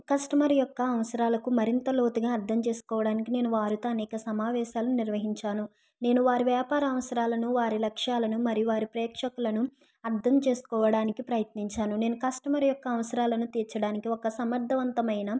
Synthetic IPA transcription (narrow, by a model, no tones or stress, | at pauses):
kɐsʈɐmɐɾijɔkːɐːʋɐsɐɾaːlɐkumɐɾint̪ɐlo̞ːt̪uɡaːɐɾd̪ʱɐmt͡ʃe̞ːsu̥kɔːʋɐɽaːnikine̞ːnuʋaːɾut̪oːɐnɛːkɐsɐmaːʋɛːʃaːlɐnuniɾʋɐɦiɲt͡ʃaːnu | ne̞ːnuʋaːɾiʋjaːpaːɾɐːʋɐsɐɾaːlɐnuʋaːɾilɐkʂaːlɐnumɐɾijuʋaːɾipɾɛːkʂɐkulɐnu | ɐɾd̪ʱɐmt͡ʃe̞ːsu̥kɔːʋɐɽaːnikipɾɐjɐt̪niɲt͡ʃaːnune̞ːnukɐsʈɐmɐɾijɔkːɐːʋɐsɐɾaːlɐnut̪ɛːɾt͡ʃːɐɽaːnikiɔkːɐsɐmɐɾd̪ʱɐʋɐnt̪ɐmɐjnɐ